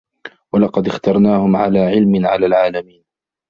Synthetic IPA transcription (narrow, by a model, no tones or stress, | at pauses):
walɑqɑd̪ɪxt̪ɑɾˤnaːhʊmʕa̰laːʕɪlmɪnʕalaːlʕaːlamiːn